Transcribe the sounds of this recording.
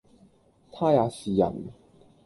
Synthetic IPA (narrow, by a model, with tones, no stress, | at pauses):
t̪ʰa˥ja˨˧˩si˨ja̰˨˩ŋ˨